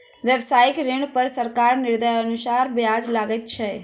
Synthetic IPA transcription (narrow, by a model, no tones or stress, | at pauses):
ʋjəʋsaːɪkɾɪɳpəɾsəɾkaːɾnɪɾd̪əjənʊsaːɾbjaːd͡ʒlaːɡət̪̚t͡ʃʰɛ